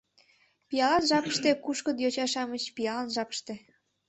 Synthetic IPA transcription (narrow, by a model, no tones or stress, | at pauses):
pijɑlɑnʒɑpəʃt̪ekuʃkəd̪jot͡ɕɑʃɑmət͡ɕpijɑlɑnʒɑpə̥ʃt̪e